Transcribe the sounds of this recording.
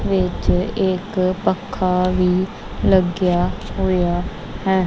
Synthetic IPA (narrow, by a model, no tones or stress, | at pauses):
ʋɪt͡ʃɪkpəkʰːaʋiː | ləɡjaɦʊja | hɛː